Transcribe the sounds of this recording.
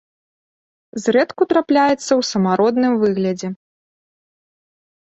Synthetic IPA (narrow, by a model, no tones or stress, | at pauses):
zɾɛt̪kut̪ɾaplʲajɛt̪sːɐwsɐmaɾɔd̪nɨmvɨɣlʲɐd͡zʲɛ